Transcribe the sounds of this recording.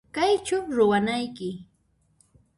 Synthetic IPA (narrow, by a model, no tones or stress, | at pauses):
kajt͡ʃʊɾʊwanajkɪ